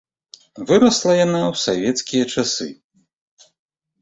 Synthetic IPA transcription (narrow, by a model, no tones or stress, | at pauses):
vɨɾɐslˠɐjanawsavʲɛt̪skʲijɐt͡ʂasɨ̰